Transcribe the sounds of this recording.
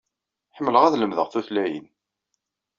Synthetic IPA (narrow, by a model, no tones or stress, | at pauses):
ħəmːələʁæðləmðəʁθuθlæjḭn